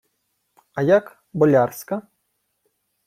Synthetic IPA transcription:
ɐjak | bɔlʲarskɐ

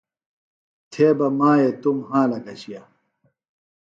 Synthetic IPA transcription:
t̪ʰeːbɐmaːet̪umɦãːlɐkɐɕija

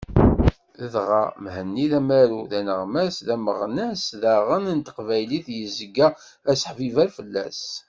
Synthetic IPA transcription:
əðʁɑ̰mhənːiðæmæɾuðænəʁmæsðæməʁnæsðæʁənənt̪ə̥qvæjliθjəzəɡːæ | æsə̥ħvivæɾfəlːæ̰s

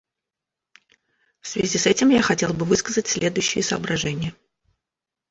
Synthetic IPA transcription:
fsvʲɪzʲisɛtʲɪmjaxɐtʲe̞lˠbɨvɨskəzətʲsʲlʲed̪ʊjʉɕːɪjəsə̰ːbɾɐʐɛnʲɪjə

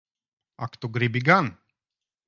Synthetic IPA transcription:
akt̪uɡɾibiɡan

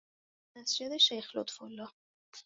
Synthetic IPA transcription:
mæsd͡ʒed̪eʃejxlot̪folːɒ

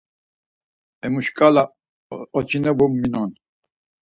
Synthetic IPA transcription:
ɛmuʃkʼala | ɔt͡ʃʰinɛbɔmːinɔn

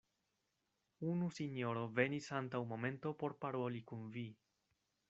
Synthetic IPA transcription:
unusinjo̞ɾo̞ve̞nisantawmo̞mẽ̞nto̞po̞ɾpaɾo̞likunvi

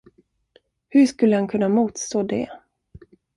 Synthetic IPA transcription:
hɵʂkɵlːəhankʰɵnːamuːt̪st̪oːd̪ɛ

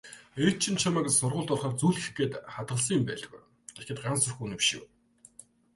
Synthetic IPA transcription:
et̪̚t͡ɕʰɪ̆nt͡ɕʰamaːksʊrʁʊːɮt̪ɔrχaːrt͡suɮxɘxɡeːt̪χat̪̚ʁə̆ɮs̬ə̃̆ŋɪmpæ̰ːɮt̪̆ɡṵj | t̪ʰexĕt̪ɢansɵrxuːnipʃɪ̰̆w

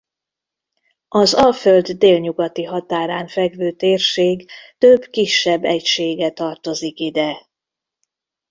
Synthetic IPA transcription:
ɒzɒlføld̪ːeːlɲuɡɒt̪iɦɒt̪aːɾaːɱfɛɡvøːt̪eːrʃeːɡt̪øbkiʃːɛbːɛcʃeːɡɛt̪ɒrt̪o̞zikid̪ɛ

